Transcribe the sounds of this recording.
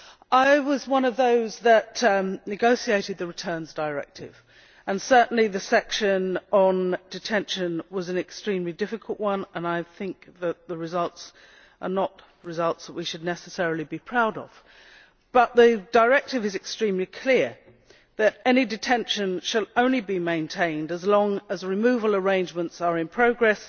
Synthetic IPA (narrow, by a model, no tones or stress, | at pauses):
ʔaɪwʌzwʌ̃nʌvðoʊzðɨtnɨɡoʊsieɪɾɨd̪̚ðɨɹɨtʰɜ̃˞nzdəɹɛ̰k̚tʰɪ̰v̥ | ə̃nsɜ˞ʔn̩liðɨsɛkʃɨ̃nə̃ndɨtʰɛ̃nʃɨ̃nwʌzɨ̃nɨkstɹ̥ĩmlidɪfɨkʰəl̩ˠʔwʌ̃nə̃naɪθɪ̃ŋk̚ðɨt̪̚ðəɹɨzʌlˠts | ʔə̰˞nəʔ̚ | ɹɨzʌlˠtsðəʔ̚wiʃɨdⁿnɛsɨsɛɹl̩ˠibipʰɹ̥aʊɾə̰v̥ | b̥ʌt̪̚ðɨdəɹɛk̚tɨvɨzɨkstɹ̥ĩmlikʰl̥ɪɹ | ðɨɾɛnidɨtʰɛ̃nʃɨ̃nʃəlˠõʊ̃nlibimẽɪ̃ntʰẽɪ̃ndəzlɔ̃ŋəzɹɨmʉvəl̩ˠə˞ẽɪ̃nd͡ʒmə̃ntsə˞ɨ̃npʰɹ̥oʊɡɹɛs